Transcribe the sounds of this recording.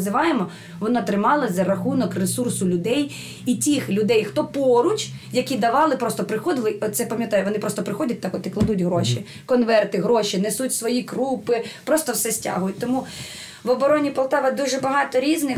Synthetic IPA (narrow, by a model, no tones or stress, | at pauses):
zɪʋɑjemɔ | ʋɔnɑt̪ɾɪmɑlˠɐzɐɾɐxunɔkresursʊlʲʊd̪ɛj | itʲixlʲʊd̪ɛjxt̪ɔpɔɾʊt͡ʃjɐkʲid̪ɐʋɑlˠɪpɾɔst̪ɔpɾɪxɔd̪ɪlˠɪɔt̪sɛpɐmʲjɐt̪ɑjʊʋɔnɪpɾɔst̪ɔpɾɪxɔdʲɐt̚ʲt̪ɑkɔt̪ɪklˠɐd̪utʲɦɾɔʃi | kɔnʋɛrt̪ɪɦɾɔʃinɛsutʲsʋɔjikɾupɪpɾɔst̪ɔwsɛsʲtʲa̰ɦʊjʊtʲt̪ɔmu | ʋɔbɔɾɔnʲipɔlˠt̪ɑʋɐd̪uʒɛbɐɦɑt̪ɔɾʲiznɪ